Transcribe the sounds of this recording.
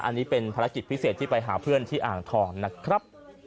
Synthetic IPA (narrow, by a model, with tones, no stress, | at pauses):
ʔa̰˧nːiː˦˥pe˧npʰaː˧ɾa˧˥ki˨˩t̪̚pʰi˦˥seː˨˩t̪ʰːiː˥˩pa˧jɦaː˩˦pʰɯ˥˩ənt̪ʰiː˥˩ʔaː˨˩ŋt̪ʰɔː˧ŋna˦˥kʰɾa˦˥p̚